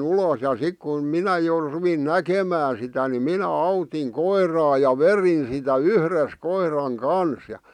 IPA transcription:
uloˑs jɑ sik kun minæ jo ruʋin nækemæːn sitæ ni minæ ɑutiŋ koirˑɑː jɑ ʋerin sitæ yhres koirɑŋ kɑns j̆ɑ̆

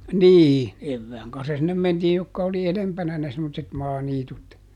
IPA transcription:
niː eʋːæːŋ kɑnsːɑ sinːem mentiːj jokːɑ oli elempænæ ne semːotset mɑːniːtut

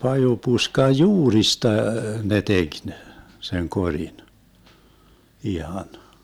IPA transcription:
pɑjupuskɑj juːristɑ ne tek ne seŋ korʲin ihɑn

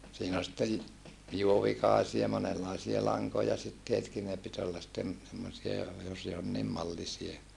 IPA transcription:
siːn ol sitːej juoʋikɑˑesiɑ monelːɑˑisie lɑŋkojɑ sitːietki ne pit olːɑ sitːem semːosiɑ jos jonːiːm mɑlːisie

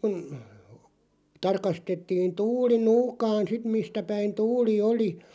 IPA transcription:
kun̞ tɑrkɑstetːiːn tuːli nuːkɑːn sit mistæ pæin tuːli oli

